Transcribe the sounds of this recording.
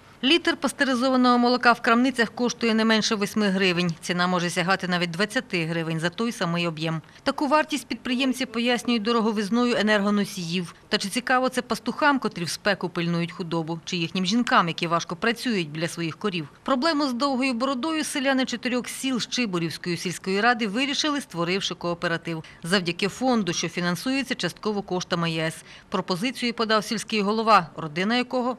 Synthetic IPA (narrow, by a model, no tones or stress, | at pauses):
lʲit̪erpɐst̪eɾɪzɔʋɐnɔɦɔmɔlˠɔkɑwkɾɐmnɪt͡sʲɐxkɔʃt̪ʊjɛnɛmɛnʃɛʋɔsʲmɪɦɾɪʋɪnʲt͡sʲinɑmɔʒɛsʲɐɦɑt̪ɪnɑʋʲit̚ʲd̪ʋɐt͡sʲːɐt̪ɪɦɾɪʋɪnʲzɐt̪ɔjsɐmɪjɔbjɛm | t̪ɐkuʋɑrtʲisʲt̚ʲpʲid̪̚pɾɪjɛmt͡sʲipɔjasʲnʲʊjʊt̚ʲd̪ɔɾɔɦɔʋɪznɔjʊenɛrɦɔnɔsʲijiwt̪ɐt͡ʃɪt͡sʲikɑʋɔt̪sɛpɐst̪ʊxɑmkɔt̪ɾʲiwspɛkʊpɪlʲnujʊtʲxʊd̪ɔbʊt͡ʃɪjixnʲimʒʲinkɑmjɐkʲiʋɑʃkɔpɾɐt͡sʲujʊt̚ʲbʲlʲɐsʋɔjixkɔɾʲiwpɾɔblˠɛmʊzd̪ɔwɦɔjʊbɔɾɔd̪ɔjʊsɪlʲanɪt͡ʃɔt̪ɪɾʲɔxsʲilˠʃt͡ʃɪbɔɾʲiwsʲkɔjʊsʲilʲsʲkɔjiɾɑd̪ɪʋɪɾʲiʃɪlˠɪst̪ʋɔɾɪwʃɪkɔːpeɾɐt̪ɪwzɐwdʲɐkɪfɔnd̪ʊʃt͡ʃɔfʲinɐnsujet͡sʲːɐt͡ʃɐst̪̚kɔʋɔkɔʃt̪ɐmɐjɛs | pɾɔpɔzɪt͡sʲijipɔd̪ɑwsʲilʲsʲkɪjɦɔlˠɔʋɑrɔd̪ɪnɐjɐkɔɦɔ